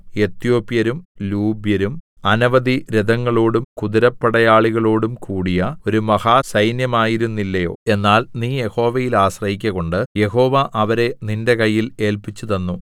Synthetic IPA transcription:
e̞t̪jo̞ːpːjɐɾumluːbjɐɾum | ɐnɐʋɐd̪iɾed̪ɐŋːɐɭoːɽumkud̪iɾɐpːɐɽɐjaːɭiɣɐɭo̞ːɽumkuːɽijɐo̞ɾumɐhasɐjnjɐmaːjiɾunːilːɐjo̞̰ːe̞nːaːlniːje̞ho̞ːʋɐjilaːɕrɐɦikʲːɐɣo̞ɳɖɨje̞ho̞ːʋɐʔɐʋɐɾe̞ninde̞kɐjːile̞ːlpit͡ɕːuðɐnːu

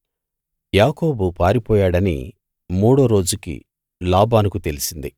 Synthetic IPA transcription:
jaːko̞ːbupaːɾipɔːjaːɽɐnḭ | muːɽoːɾo̞ːd͡ʒukḭ | laːbaːnukut̪e̞lisind̪i

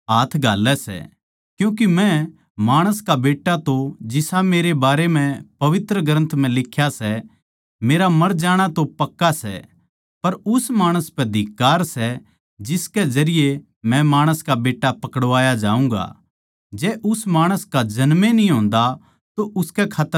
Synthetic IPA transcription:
ɦaːt̪ʰɡʱaːlːɛsɛ̰ | kjũːk̬imɛ̃ | maːɽ̃əskabeːʈːat̪od͡ʒɪsameːɾebaːɾem̤ɛ̃pɐʋɪt̪ɾəɡɾə̃nt̪ʰm̤ɛ̃lɪkʰːjasɛ | meːɾamɐɾd͡ʒaːɽ̃at̪opɐkːasɛ̰ | pɐɾʊsmaːɽ̃əspɛd̪ʱɪkːaːɾsɛ | d͡ʒɪskɛd͡ʒɐɾɪje | mɛ̃maːɽ̃əskabeːʈːapɐkəɽʋaːjad͡ʒaːũːŋɡa̰ | d͡ʒɛːʔʊsmaːɽ̃əskad͡ʒɐnmenĩɦõːnd̪a | t̪oʔʊskɛkʰaːt̪ːə

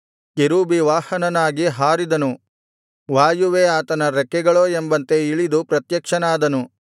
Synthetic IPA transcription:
keɾuːbiʋaːhɐnɐnaːɡiɦaːɾid̪ɐnu | ʋaːjuʋeːaːt̪ɐnɐɾɛkːɛɡɐɭoːembɐnt̪e̞iɭid̪upɾɐt̪jɐkʂɐnaːd̪ɐnu

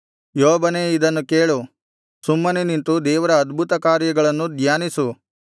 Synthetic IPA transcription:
joːbɐneːid̪ɐnːukeːɭu | sumːɐnenint̪ud̪ɛːʋɐɾɐːd̪bʱut̪ɐkaːɾjɐɡɐɭɐnːud̪jaːnisu

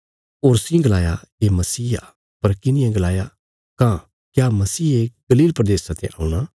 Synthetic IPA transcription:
oːɾsĩɡɐlaːjaemɐsiːa̰ | pɐɾkɪnɪ̃jãɡɐlaːja | kã | kjaːmɐsiːeɡ̥ɐliːlpɾɐd̪eːsãt̪ʰḛ̃ʔa̰ːũɽ̃a

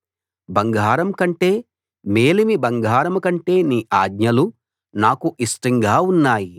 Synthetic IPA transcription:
bɐŋɡʱaːɾɐmkɐɳʈe̞ː | meːlimibɐŋɡʱaːɾɐmkɐɳʈe̞ːniːʔaːɡ̪ɲɐlu | naːkuʔisʈiŋɡaːunːaːji

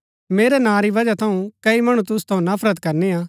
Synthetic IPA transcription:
meːɾɛnãːɾiʋɐd͡ʒat̪ʰɐũkɐimɐɽ̃ũt̪̬ʊst̪ʰɐ̃ũnɐpʰɾət̪kɐɾneaː

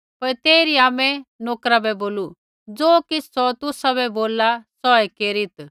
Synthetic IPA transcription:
pɐɾt̪eːɾiaːmɛ̃noːkɾabɛboːlu | d͡zoːkɪsɔt̪ʊsaβɛboːlasɔɛkeːɾɪt̪

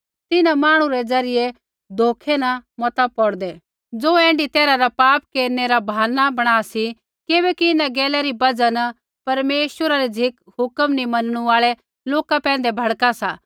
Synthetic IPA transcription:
t̪ɪnãmaːɽ̃ũɾɛd͡zɐɾɪje | d̪ʱoːkʰɛnɐmɔt̪apɔɽd̪ɛ | d͡zoːɛ̃ːɳɖit̪ɛːɾaɾapaːp̚keːɾneɾabʱaːnːabɐɽ̃aːsi | kebɛkiɪnãɡɛːlɛɾibɐd͡zanɐ | pɐɾmeːʃwəɾaɾid͡zʱɪk | hʊkəmnĩmɐnəɽ̃uaːɭɛ | loːkapɛ̃ːnd̪ɛbʱɐɽkasa

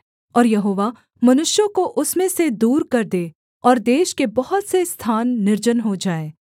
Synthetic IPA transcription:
ɔːɾjɐɦoːʋa | mɐnʊʃjõkoʔʊsmẽsed̪uːɾkɐɾd̪eː | ɔːɾd̪eːʃkebɐɦʊt̪sest̪ʰaːnːɪɾd͡ʒənɦod͡ʒaːeː

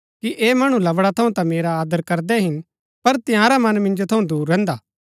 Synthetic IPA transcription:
kiʔeːmɐɽ̃ũlɐʋɽat̪ʰɐũt̪ãmeːɾaːd̪əɾkɐɾd̪ɛɦɪn | pɐɾt̪ɪjãːɾamɐnmɪ̃nd͡ʒot̪ʰɐũd̪uːɾːɛ̃ːnd̪aː

